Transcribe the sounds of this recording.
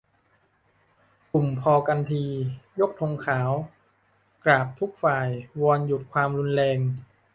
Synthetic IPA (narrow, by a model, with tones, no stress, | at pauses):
ku˨˩mpʰɔː˧ka˧npʰiː˧jo˦˥k̚t̪ʰo˧ŋkʰaː˩˦w | klaː˨˩p̚t̪ʰu˦˥k̚faː˨˩jwɔː˧nju˨˩t̪̚kʰwaː˧mɾu˧nlɛː˧ŋ